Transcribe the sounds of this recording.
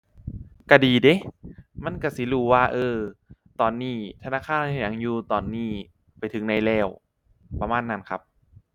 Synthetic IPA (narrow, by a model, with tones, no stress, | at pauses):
ka˧˩diː˨˩de˧˦ma˧˥˨nka˧˩si˨˦luː˧˩waː˧˩ʔɤː˧t̪ɔː˨nːiː˧˩t̪ʰa˧naː˧˥˨kʰaː˧˥˩n˧˩ja˨˦ŋjuː˧t̪ɔː˨˩nːiː˧˩ | pa˨˩jt̪ʰɯ˨˦ŋna˧˩jlɛː˧˩w | pːa˧maː˧˥˨nːa˧˥˨nkʰa˦˥p̚